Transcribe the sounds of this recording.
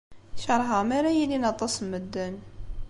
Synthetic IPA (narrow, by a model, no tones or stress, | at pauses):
ʃɑɾˤɦɑmæɾæjilinɑt̪ˤːɑsˤəmːəd̪ːæn